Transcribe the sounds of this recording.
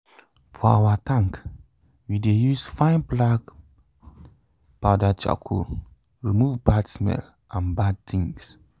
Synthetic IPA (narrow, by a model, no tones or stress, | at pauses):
fɔa̰watʰãŋk | widejusfãɪ̃nblaɡ | paʊdat͡ʃa̰kʰo̰ | ɹimuvbadsmɛ̰l | ʔãnbad̚t̪ʰĩŋs